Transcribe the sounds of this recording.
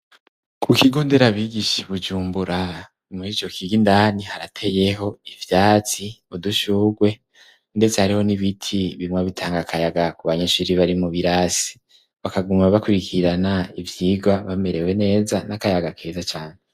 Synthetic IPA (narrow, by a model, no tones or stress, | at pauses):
kʰukiɡo̞ːnde̞ɾaβiɡiʃiβud͡ʒuːmbuɾa | muit͡ʃo̞kiɡindanihaɾatʰe̞je̞ɦo̞ivjaːt͡siuduʃuːɡwe̞ | nde̞t͡se̞haɾiho̞niβitʰiβimŋwaβitʰaːŋɡakʰajaɡakuβaɲeʃuɾiβaɾimuβiɾasi̥ | βakaɡumaβakuɾikʰiɾanaivjiːɡaβame̞ɾe̞we̞ne̞ːzanakajaɡakʰe̞ːzat͡ʃaːne